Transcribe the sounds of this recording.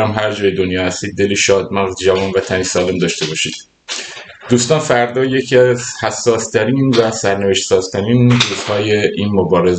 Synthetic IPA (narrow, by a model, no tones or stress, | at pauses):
æmɦæɾd͡ʒɒːjed̪onjɒːhæst̪iːd̪̚ːe̞liʃɒːd̪̚mæʁzd͡ʒævɒːnvæt̪ʰænisɒːle̞md̪ɒʃt̪e̞bɒːʃḭːd̪̥̚ | d̪̥uːst̪ɒːnfæɾd̪ɒːje̞cʰiæzhæsːɒːst̪ʰæɾiːnvæsæɾneveʃt̪sɒːzt̪ʰæɾiːnduːzhɒːjeʔiːnmobɒːɾe̞z